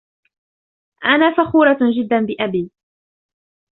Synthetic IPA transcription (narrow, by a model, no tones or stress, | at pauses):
ʔanaːfaxuːɾˤɑd͡ʒɪd̪ːanbɪʔabiː